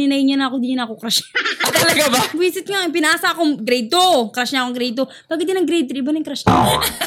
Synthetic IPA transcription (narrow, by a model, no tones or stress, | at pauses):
ɪnɐjɲɐnɐkod̪iɲɪnakokɾaʃɐt̪ːɐlɐɡababiːsɪt̪̚ŋap̬ɪnaʔaːsaʔɐkoŋɡɾɛjt̪okɾaʃɲaʔkoŋɡɾɛjt̪o | b̥aːɡɪt̪ːɪnɐŋɡɾɛjt̪̬ɾɪbɐnɐŋkɾaʃɲa